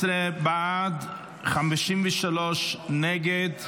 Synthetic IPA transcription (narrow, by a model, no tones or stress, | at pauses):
ɾɛbaːd | χamɪʃiːmvɪʃalɔʃnɛɡɛd